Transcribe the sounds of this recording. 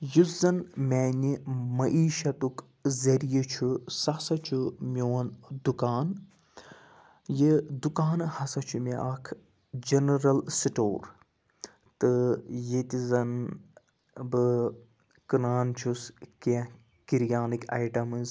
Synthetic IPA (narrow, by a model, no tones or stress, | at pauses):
juzɐnmʲɛːnimɐʔiːʃɐt̪uk | zɐɾijit͡ʃʰusɐsɐt͡ʃʰumʲjoːnd̪ukaːn | jid̪ukaːnhɐsɐt͡ʃʰumiʔakʰ | d͡ʒɐnɐɾɐlsiʈo̰ːɾ | t̪ɨjet̪ʲizɐn | bɨ | kɨnaːnt͡ʃʰuske | kiɾjaːnika̰jʈɐmɨz